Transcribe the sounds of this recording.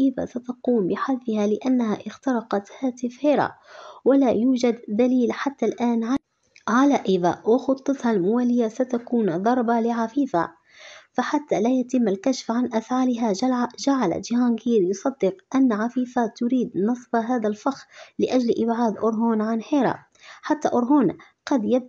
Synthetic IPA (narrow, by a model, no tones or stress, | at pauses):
ʔɪða̰sat̪ɑquːmbɪħad̪fɪhalɪʔanːaɦaʔɪxt̪ɑɾˤɑqɑt̪haːt̪ɪfhɪɾɑ̰wɪlajuːd͡ʒad̪ːaliːlħat̪ːalʔaːnʕa | ʕalaʔɪða̰wɪxʊt̪ˤːɑt̪halmʊwaːlɪjasat̪akuːnd̪ˤɑɾˤbalɪʕafiːfa̰ | faħat̪ːalaːjat̪ɪmːalkaʃfʕanʔafʕaːlɪɦad͡ʒaʕala̰d͡ʒɪhɑːŋɡiːɾjʊsˤɑd̪ːɪqʔanːʕafiːfat̪ʊɾiːd̪nɨsˤbaɦaːðalfɑxlɪʔad͡ʒlʔɪbʕaːd̪ʔʊɾɦoːnʕanheːɾɑ̰ | ħat̪ːaʔʊɾɦoːn | qɑd̪ja